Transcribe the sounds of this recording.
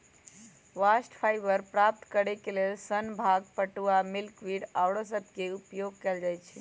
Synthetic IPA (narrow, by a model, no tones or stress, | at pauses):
ʋasʈpʰajbəɾpɾap̚t̪kəɾekelelsənbʱaɡpəʈuamilkwiɽawɽosəbʱkeupjoɡ̚kɛld͡ʒajt͡ʃʰi